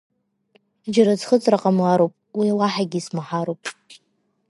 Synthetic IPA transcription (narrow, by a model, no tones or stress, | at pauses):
d͡ʒaɾazχət͡sʼraqʼamlaɾowpʼwilaħaɡʲismaħaɾowpʼ